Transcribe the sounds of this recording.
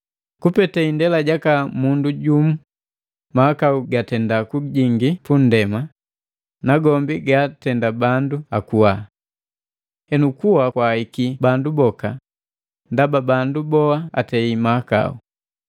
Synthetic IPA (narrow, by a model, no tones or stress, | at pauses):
kupɛtaindɛlaɟakamunduɟumu | mahakauɡatɛndakuɟiŋɡipun̩dɛma | naɡɔmbiɡatɛndabanduakuwa | hɛnukuhakwaikibandubɔka | ndababandubɔhaatɛimaaka̰ṵ